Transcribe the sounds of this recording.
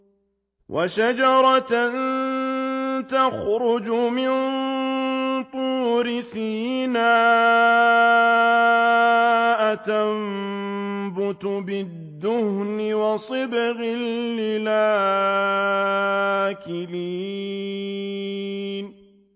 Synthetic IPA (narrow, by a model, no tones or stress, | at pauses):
wʔa̰ʃad͡ʒɑɾˤɑt̪n | t̪axɾʊd͡ʒʊmɪn | t̪ˤuːɾɪsiːnaː | ʔat̪am | bʊt̪ʊbɪd̪ːʊhnɪwɑsˤɨbɣɪllːɪlaː | kɪliː | n